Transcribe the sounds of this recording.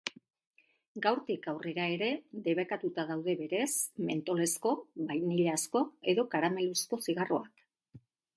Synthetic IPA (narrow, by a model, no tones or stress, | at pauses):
ɡawɾt̪ikawre̞ɾae̞ɾe̞ðe̞β̞ekat̪ut̪að̞awð̞e̞βe̞ɾe̞sme̞nt̪o̞le̞sko̞βajniʎasko̞eðo̞kaɾame̞lusko̞siɣ̞aro̞ak